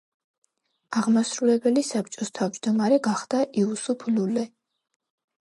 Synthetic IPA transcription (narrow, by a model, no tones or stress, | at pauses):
aʁmasɾulɛbɛlisap̚t͡ʃʼɔst̪ʰavd͡ʒd̪ɔmaɾɛɡaχd̪̥aʔiusupʰlulɛ